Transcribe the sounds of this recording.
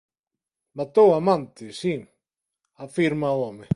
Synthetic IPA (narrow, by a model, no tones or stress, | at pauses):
mat̪owamãnt̪ɪsi | afiɾmaɔme